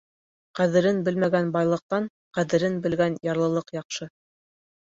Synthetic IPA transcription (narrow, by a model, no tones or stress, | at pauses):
qæðɘ̆ɾɘnbɘ̆lmæɡænbɑjlˠɤ̆q̚t̪ɑɴ | qæðɘ̆ɾɘnbɘ̆lɡænjɑɾlˠɤ̆lˠɤqjɑqʃɤ